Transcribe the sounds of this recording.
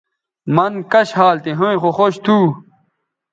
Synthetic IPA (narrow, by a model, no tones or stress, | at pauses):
mɐnkɐɕhaːlt̪iɦõĩxoxoɕt̪ʰuː